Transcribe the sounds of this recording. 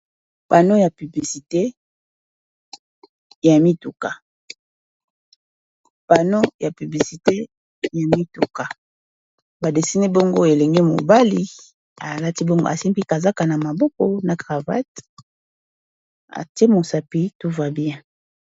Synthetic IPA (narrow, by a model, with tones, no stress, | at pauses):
pa˨no˦ja˨py˨bli˨si˨te˦ | ja˨mi˦tu˨ka˨ | pa˨no˦ja˨py˨bli˨si˨te˦ | ja˨mi˦tu˨ka˨ | ba˨de˨si˦ne˦bo˦ŋɡo˦e˨le˨ŋɡe˦mo̰˨ba˦li˨ | a˨la˦ti˦bo˦ŋɡo̰˦a̰˨se˦mpi˦ka˨za˦ka˨na˨ma˨bɔ˦kɔ˨na˨ɡʁa˨va̰˦t | a̰˨te˦mo˨sa˨pi˦to˦va˦bi˦ɛ̃˦